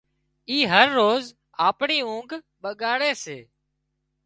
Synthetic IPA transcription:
iːɦəɾːoːz | aːpɳiːũːŋɡ | ɓəɠaːɽeːseː

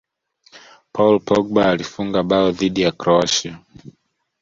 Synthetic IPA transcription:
pʰaulpɔɡ̚baːlifuŋɡaɓaɔðiɗijakɾɔaʃa

